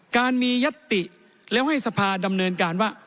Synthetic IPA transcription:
kaː˧nmiː˧ja˦˥t̪ːi˨˩ | lɛ˦˥wha˥˩jsa˧pʰaː˧da˧mnɤː˧nkaː˧nwaː˥˩

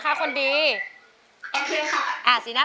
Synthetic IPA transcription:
kʰa˦˥kʰo˧ndiː˧ | kʰi˧ka˦˧ʔaː˨˩si˨˦na˦˥

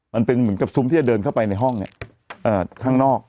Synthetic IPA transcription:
ma˧npe˧nmɯ˩˦nka˨˩p̚su˦mt̪iː˥˩a˨˩dɤː˧nkʰa˥˩wpa˧jna˧jɦɔ˥˩ŋni˦˥ | ʔɤː˨˩kʰaː˥˩ŋnɔː˥˩k̚

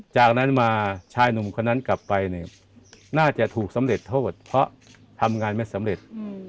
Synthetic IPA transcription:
t͡ɕaː˨˩k̚na˦˥nmaː˧t͡ɕʰaː˧jnu˨˩mkʰo˧nːa˦˥nkla˨˩pːa˧jni˧˩ | naː˥˩t͡ɕa˨˩ʔt̪ʰuː˨˩k̚sa˩˦mɾe˨˩t̪ʰːoː˥˩t̪̚pʰɾɔ˦˥ʔ | t̪ʰa˧mŋaː˧nma˥˩jsa˩˦mɾe˨˩t̪̚

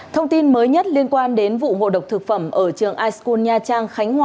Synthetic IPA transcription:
t̪ʰə˧wŋ͡mt̪i˧nməː˨˦jɲə˦˥t̚li˧ənkwaː˧nɗe˨˦nvṵ˧˨ŋo̰˧˨ɗə˨˩wk͡p̚t̪ʰɨ˨˩k̚fə˧˩mʔəː˧˩t͡ɕɨ˨˩əŋʔaː˧jsku˧nɲaː˧t͡ɕaː˧ŋxa˨˦ŋ̟hwaː˧˩

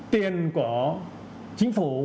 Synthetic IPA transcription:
t̪jɛ˧nkwɔ˨˩˦ | t͡ɕi˧˥ŋfu˨˦

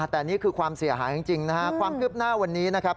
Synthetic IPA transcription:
t̪ɛː˨˩niː˦˥˩kʰɯː˧kʰwaː˧msi˨˩˦ɦaː˩˦ja˧ŋt͡ɕi˧ŋna˦˥a˦˥kʰwaː˧mkʰɯ˦˥˩p̚naː˥˩wa˧nːiː˦˥na˦˥kʰa˦˥p̚

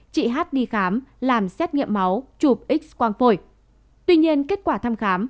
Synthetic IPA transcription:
t͡ɕḭ˧˨ɦaː˦˥t̚ɗi˧xaː˨˦mlaː˨˩msɛ˦˥t̚ŋḭ˧˨əmːa˨˦wt͡ɕu˨˩p̚ʔi˦˥k̚kwaː˧nfo˧˩j | t̪wi˧ɲi˧ənke˦˥t̚kwaː˧˩t̪ʰa˧mxaː˨˦m

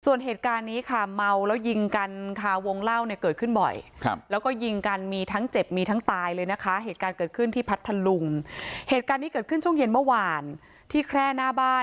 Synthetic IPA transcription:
su˨˩ənɦeː˨˩t̪̚kaː˧nːiː˦˥kʰa˥˩ma˧wlɛː˦˥wji˧ŋka˧nkʰa˧˩wo˧ŋla˥˩wni˥˩kɤː˨˩t̪̚kʰɯ˥˩nbɔ̰˨˩jkʰlɛː˦˥wkɔː˥˩ji˧ŋka˧nmiː˧t̪ʰa˦˥ŋt͡ɕe˨˩p̚miː˧t̪ʰa˦˥ŋt̪aː˧jlɤː˧jna˦˥kʰa˦˥ɦeː˨˩t̪̚kaː˧nkɤː˨˩t̪̚kʰɯ˥˩nt̪ʰiː˥˩pʰa˦˥t̪ʰːa˧lu˧mheː˨˩t̪̚kaː˧nːiː˦˥kɤː˨˩t̪̚kʰɯ˥˩nt͡ɕʰu˥˩ŋje˧nmɯ˥˩əwaː˧n | t̪ʰiː˥˩kʰɾɛː˥˩naː˥˩baː˥˩

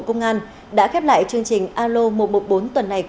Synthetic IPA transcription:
kə˧wŋ͡mʔaː˧n | ɗa̰ː˧˥xɛ˦˥p̚la̰ː˧˨jt͡ɕɨ˧əŋt͡ɕï˨˩ŋ̟ʔaː˧lo˧mo˨˩mo˨˩t̚ɓo˨˦nt̪wə˨˩nːa˨˩j

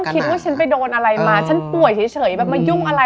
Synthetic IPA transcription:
kʰi˦t̪̚waː˥˩t͡ɕʰa˦˥npa˧˩jdoː˧nʔa˧ɾa˧jmaː˧˩t͡ɕʰa˦˥npu˨˩əjt͡ɕʰiː˨˩˦t͡ɕʰɤː˩˦jbɛː˨˩p̚maː˧ju˥˩ŋʔa˧ɾa˧

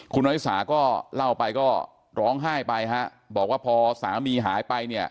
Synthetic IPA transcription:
kʰu˧nʔaː˧˦ju˦˥saː˩˦kɔː˥˩la˥˩wpa˧jkɔː˥˩ | ɾɔː˦˥ŋɦaː˥˩jpa˧jkʰa˦˥ʔ | bɔː˨˩k̚waː˥˩pʰɔː˧saː˩˦miː˧ɦaː˩˦jpa˧jni˥˩ɐ

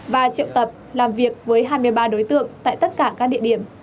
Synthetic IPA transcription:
vaː˨˩t͡ɕḭ˧˨wt̪ə˨˩p̚laː˨˩mvi˨˩ək̚vəː˨˦jɦaː˧jmɨ˧əjɓaː˧ɗo˨˦jt̪ɨ̰˧˨əŋt̪a̰ː˧˨jt̪ə˦˥t̚kaː˧˩kaː˦˥k̚ɗḭ˧˨əɗi˧˩əm

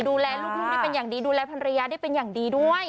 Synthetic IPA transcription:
duː˧lɛː˧luː˥˩k̚mʰ˦˥˩ma˥˩pe˧njaː˨˩ŋdiː˧duː˧lɛː˧pʰa˧nɾa˧jaː˧da˥˩pe˧njaː˨˩ŋdiː˧du˥˩əj

